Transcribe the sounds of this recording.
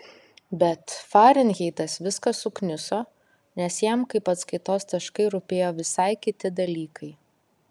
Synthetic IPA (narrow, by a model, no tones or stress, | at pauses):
bʲɛt̪fɑːɾʲɪnʲɣʲɛɪt̪ɐsʋʲɪskɐsʊknʲɪsoː | nʲɛsjɛmkɐɪpɐt̪skɐɪt̪oːst̪ɐʃkɐɪɾʊpʲeːjoːʋʲɪsɐɪkʲɪt̪ʲɪd̪ɐlʲiːkʰɐɪ